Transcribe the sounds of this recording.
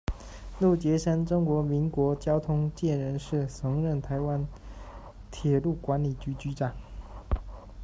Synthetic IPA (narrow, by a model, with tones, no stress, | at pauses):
lu˥˩t͡ɕjɛ˧˥ʂa˥nʈ͡ʂʊ˥ŋkwɔ˧˥mi˧˥nkwɔ˧˥t͡ɕjɑ˥ʊt̪ʰʊ˥ŋt͡ɕjɛ˥˩nɻə˧˥nʂɻ̩˥˩t͡sʰɤ˧˥ŋɻə˥˩nt̪ʰa˧˥ɪwa˦n | t̪ʰjɛ˨˩lu˥˩kwa˧˥nli˨˩t͡ɕy˧˥t͡ɕy˧˥ʈ͡ʂa˨˩ŋ